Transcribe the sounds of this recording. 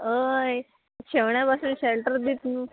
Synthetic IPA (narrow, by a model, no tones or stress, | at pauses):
ɦəj | t͡ɕʰeʋɳjapasuːnɕelʈəɾd̪it̪nuː